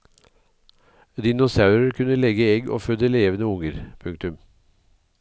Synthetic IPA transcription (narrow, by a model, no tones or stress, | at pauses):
d̪iːnʊsɑʉɾəɾkʰʉnəlɛɡəɛɡʔo̰ːfœd̪əleːʋənəʊŋəɾpʰʉŋk̚t̪ʉm